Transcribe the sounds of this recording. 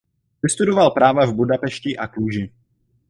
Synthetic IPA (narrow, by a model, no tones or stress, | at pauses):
vɪst̪udovalpɾaːvavbudapɛʃcɪʔakuːʒɪ